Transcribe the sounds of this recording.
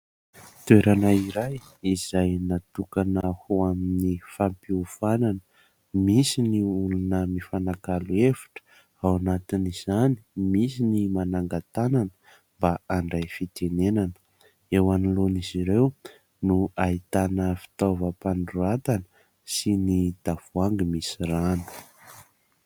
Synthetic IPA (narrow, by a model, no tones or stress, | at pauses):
t̪ueɾanaiɾaj | iz̥ajnat̪ukanahuaminifampiufananə | misiniulunəmifanakaluefu̥ʈ͡ʂə̥ | awanat̪iniz̥ani̥misinimanaŋɡat̪ananə̥ | mbaaɳɖ͡ʐajfit̪enenanə̥ | ewaniloniziɾew | nuait̪anəfi̥t̪ovəpaɳɖ͡ʐuat̪anə | sinid̪̥av̥uaŋɡimisiranu̥